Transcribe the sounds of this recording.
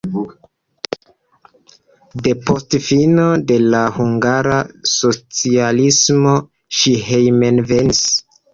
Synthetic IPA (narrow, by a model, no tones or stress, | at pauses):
de̞po̞stfino̞de̞lahuŋɡaɾaso̞t͡sialismo̞ | ʃiɦejmenvenis